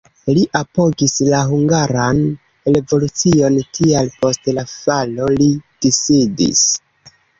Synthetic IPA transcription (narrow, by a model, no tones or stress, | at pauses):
liʔapo̞ɡislaɦuŋɡaɾan | ɾe̞vo̞lut͡sio̞ntʰialpo̞stlafalo̞lid̥isidḭs